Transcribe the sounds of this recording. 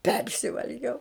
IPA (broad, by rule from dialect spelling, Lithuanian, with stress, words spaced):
ˈpʲɛrʲsʲɪʋɐlʲɡʲɛʊ